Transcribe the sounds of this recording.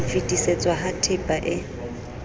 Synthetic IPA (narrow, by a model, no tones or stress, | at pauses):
fitʼiset͡sʼwaɦatʰɪpʼaʔɪ